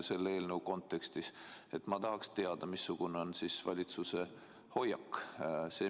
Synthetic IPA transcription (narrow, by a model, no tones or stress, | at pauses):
se̞lːeːlnəwko̞nt̪ːˑe̞kst̪ise̞t̪mɑt̪ɑɦɑkst̪e̞ɑd̪̥ɑmisːuɡ̥uneo̞nsisvɑ̰lʲit̪suse̞ | ho̞jɑkːse̞ː